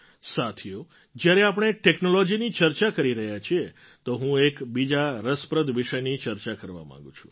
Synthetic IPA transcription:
sat̪ʰijo | d͡ʒjaɾeap̬əɳ̃eʈeknolod͡ʒinit͡ʃəɾt͡ʃakəɾiɾəɦjat͡ʃʰie | t̪oɦũekbid͡ʒaɾəspɾəd̪ʋiʃəjnit͡ʃəɾt͡ʃakəɾʋa̰mã̰ŋɡũt͡ʃʰũ̥

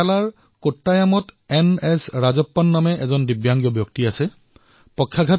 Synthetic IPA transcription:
alaɹ | kotːajamɔtɛnɛsɹazɔpːɔnːamɛʔɛzɔndibjaŋɡjɔbjɔktiasɛ | pɔkʰːjaɡʱa

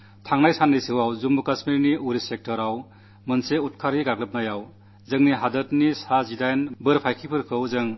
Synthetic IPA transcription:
tʰaŋnajsanːɯjsiwawzumbukasmiɾniuɾisek̚tɔɾaw | mɯnseut̚kʰaɾhiɡaɡlɯp̚najaw | zɯŋniɦadɯtnisazidajnbɯɾpʰajkʰipʰɯɾkʰɯwzɯŋ

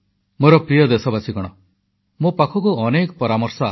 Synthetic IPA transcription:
moɾɔpɾijɔd̪esɔbasiɡɔɽ̃ɔ | mopakʰɔkuɔnekɔpɔɾamɔɾsɔ

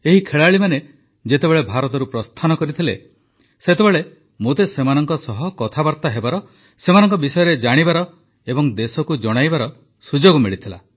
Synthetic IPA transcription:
eɦikʰeɭaɭimane | d͡ʒet̪ebeɭebʱaɾɔt̪ɔɾupɾɔst̪ʰanɔkɔɾit̪ʰile | set̪ebeɭe | mot̪esemanɔŋkɔsɔɦɔkɔt̪ʰabaɾt̪aɦebaɾɔ | semanɔŋkɔbisɔjɔɾed͡ʒaɽ̃ibaɾɔ | ebɔŋd̪esɔkud͡ʒɔɽ̃ajbaɾɔ | sud͡ʒoɡɔmiɭit̪ʰila̰

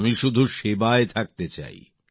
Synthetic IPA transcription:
miʃud̪ʱuʃebaet̪ʰak̚t̪et͡ɕa̰j

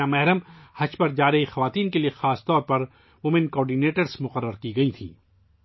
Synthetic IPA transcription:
amɛɦɾəmhɐt͡ʃpɐɾd͡ʒaːɾɐɦixɐʋaːt̪iːnkelijexaːst̪ɔːɾpɐɾ | mʊmɪnkɔːɾɖineːʈəɾsmʊqəɾːəɾkiɡɐit̪ʰḭː

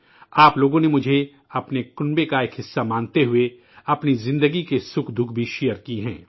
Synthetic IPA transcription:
aːploːɡõnemʊd͡ʒʱe | ɐpnekʊnbekaeːkɦɪsːamãːnt̪eɦʊe | ɐpnizɪ̃nd̪əɡikesʊkʰd̪ʱʊkʰbʱiʃijəɾkiɦɛ̃ː

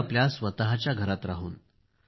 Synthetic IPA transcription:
pljasʋət̪aɦat͡ɕjaɡʱəɾat̪ɾaɦuːn

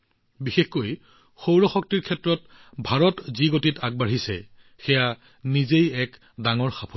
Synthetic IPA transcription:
bixexkoj | xowɹɔxɔk̚tiɹkʰɛtɹɔt | bʱaɹɔtziɡotitaɡ̚baɹisɛ̰ | xɛja | nizejɛk | daŋɔɹxapʰo

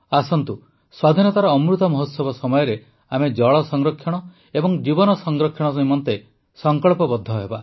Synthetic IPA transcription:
asɔnt̪u | swad̪ʱinɔt̪aɾɔːmɾut̪ɔmɔɦot̪sɔbɔsɔmɔjɔɾe | amed͡ʒɔɭɔsɔŋɾɔkʰːjɔɽ̃ɔ | ebɔŋd͡ʒibɔnɔsɔŋɡɾɔkʰjɔɽ̃ɔs̬ɦimɔnt̪e | sɔŋkɔɭpɔbɔd̪ʱːɔɦeba

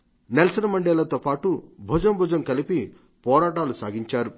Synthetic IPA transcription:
nelɐsɐnɐmɐɳɖeːlɐt̪oːpaːʈubʱud͡ʒɐmbʱud͡ʒɐmkɐlipi | pɔːɾaːʈaːlusa̰ːɡiɲt͡ʃaːɾu

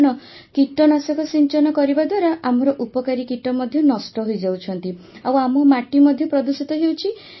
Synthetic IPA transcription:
ñɔ | kiʈːɔnasɔkɔsiɲt͡ʃɔnɔkɔɾibad̪waɾaʔamɔɾɔʔupɔkaɾikiʈɔmɔd̪ʱjɔnɔsʈɔɦojd͡ʒawt͡ʃʰɔnt̪i | awamɔmaʈimɔd̪ʱjɔpɾɔd̪usit̪ɔɦewt͡ʃʰi

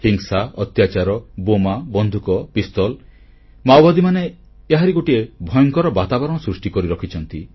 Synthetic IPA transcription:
hiŋsaɔt̪jat͡ʃaɾɔbomabɔnd̪ʱukɔpist̪ɔl | mawbad̪imaneː | ɦaɾiɡoʈiebʱɔjɔŋkɔɾɔbat̪abɔɾɔɽ̃ɔsɾusʈikɔɾiɾɔkʰit͡ʃʰɔnt̪i

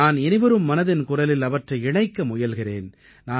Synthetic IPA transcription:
aːnɛnɪʋɐɾɯmːɐnɐðɪnkʊrɐlɪlɐʋɐʈrɐɪɪɳɐɪkːɐmʊjɐlɣɪrḛːn | naː

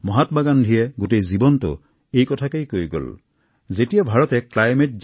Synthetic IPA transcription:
mɔɦatbaɡandʱijɛɡutejzibɔntʊ̰ | ejkɔtʰakejkojɡo̰l | zetijabʱaɹɔtɛklajmet̚z

